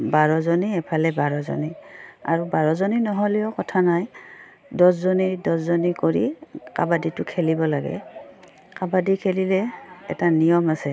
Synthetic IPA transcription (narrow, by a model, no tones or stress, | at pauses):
baɹɔzɔniɛpʰalɛbaɹɔzɔ̰nia̰ɹubaɹɔzoninɔɦɔleɔkɔtʰanaj | dɔszonidɔszonikoɹḭkabaditʊkʰelibɔlaɡɛ̰ | kabadikʰelilɛɛ̰tanijɔmasɛ